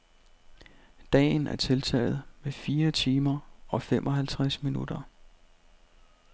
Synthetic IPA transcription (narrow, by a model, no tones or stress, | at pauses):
d̥ɛ̰ːn̩ʔæɐt͡sʰe̝lt͡sʰɛ̰ːð̞̩ˠmefiːɐt͡sʰiːmɐʔɒ̽femʔɒ̽ɦælt͡sʰʁasminud̥ɐ